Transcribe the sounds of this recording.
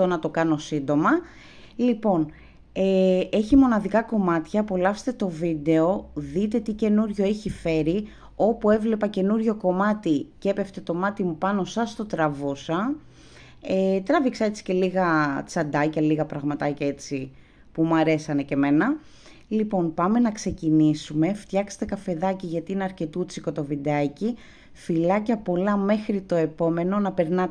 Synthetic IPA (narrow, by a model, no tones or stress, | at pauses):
tonɐt̪o̞kɐno̞sind̪o̞mɐ | lipo̞n | ee̞çimo̞nɐðikɐko̞mɐt̪çɐpolɐfse̥t̪et̪o̞vid̪e̞o̞ðit̪e̞t̪ice̞nuɾʝo̞eçife̞ɾi | o̞pue̞vle̞pɐce̞nuɾʝo̞ko̞mɐt̪ice̞pe̞ft̪e̞t̪o̞mɐt̪imupɐno̞sɐst̪o̞t̪ɾɐvusɐ | et̪ɾɐviksɐet͡si̥ce̞liɣɐt͡sɐd̪ɐcɐliɣɐpɾɐɣmɐt̪ɐcɐet͡si | pumɐɾe̞sɐne̞ce̞me̞nɐ | lipo̞npɐme̞nɐkse̞cinisume̞ft̪çɐkse̥t̪e̞kɐfe̞ðɐciʝɐt̪iineɐɾce̞t̪ut͡siko̞t̪o̞vid̪ɐci | filɐcɐpo̞lɐme̞xɾit̪o̞e̞po̞me̞no̞nɐpe̞ɾnɐ